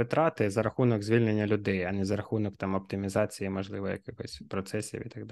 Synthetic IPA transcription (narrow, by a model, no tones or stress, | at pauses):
ɪt̪ɾɑt̪ɪzɐɾɐxunɔɡzʲʋʲilʲnenʲːɐlʲʊd̪ɛjɐnɛzɐɾɐxunɔkt̪ɑmɔp̚t̪ɪmʲizɑt͡sʲijimɔʒlˠɪʋɔjɐ̰kɪxɔsʲpɾɔt̪sɛsʲḭʋḭt̪ɐɡd̪